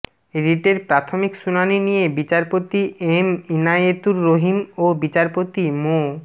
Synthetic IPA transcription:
ɾiʈeɾpɾat̪ʰomikʃunaninijebit͡ɕaɾpot̪iʔeminaet̪uɾːoɦimobit͡ɕaɾpot̪imo

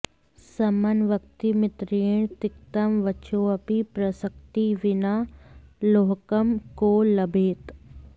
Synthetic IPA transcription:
sɐmənʋək̚t̪imɪt̪ɾeːɳ̃t̪ɪkt̪əmʋət͡ʃoːɐpipɾɐsək̚t̪iʋɪna | loːɦkəmkoːlɐbʱeːt̪

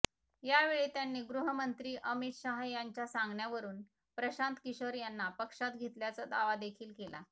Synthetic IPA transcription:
jaʋeɭiːt̪janːiːɡɾuɦəmənt̪ɾiːʔəmit̪ɕaɦajaɲt͡ɕjasãŋɡɳjaʋəɾuːn | pɾəɕant̪kiɕəɾjanːapəkʂat̪ɡʱet̪ljat͡sad̪aʋad̪ekʰiːlkela̰

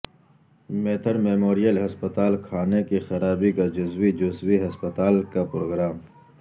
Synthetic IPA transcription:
meːt̪ʰəɾmeːmoːɾijəlɦɐspət̪aːlkʰaːnekixɐɾaːbikad͡ʒʊswid͡ʒʊswiɦɐspət̪aːlkapɾoːɡɾaːm

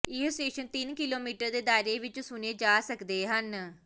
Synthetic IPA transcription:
ɪɦsʈeːʃənt̪ɪnkɪloːmiːʈəɾd̪eːd̪aːɾeːʋɪt͡ʃsʊneːd͡ʒaːsəkd̪eːɦən

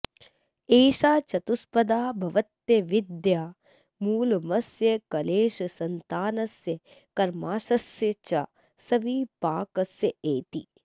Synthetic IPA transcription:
eːʃaːt͡ʃɐt̪uspɐd̪aːbʱɐʋɐt̪jɐʋɪd̪jaː | muːlmɐsjɐkɐleːʃɐsɐnt̪aːnɐsjɐ | kɐɾmaːʃɐsjɐt͡ʃɐ | sɐʋiːpaːkɐsjɐeːt̪i

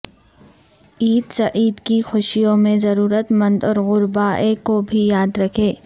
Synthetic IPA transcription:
iːd̪sɐʔiːd̪kixʊʃijõmẽzɐɾuːɾət̪mɐ̃nd̪ɔːɾɣʊɾbaːekobʱijaːd̪ɾɐkʰeː

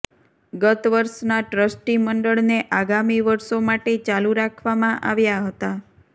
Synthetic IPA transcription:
ɡət̪ʋəɾʃnaʈɾəsʈiməɳɖəɭneʔaɡamiʋəɾʃomaʈet͡ʃaluɾakʰʋamãʔaʋjaɦət̪a

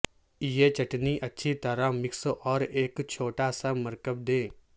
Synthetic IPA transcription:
ijet͡ʃɐʈniʔɐtːʃʰit̪ɐɾamɪksʔɔːɾeːkt͡ʃʰoːʈasamɐɾkəb̚d̪ẽː

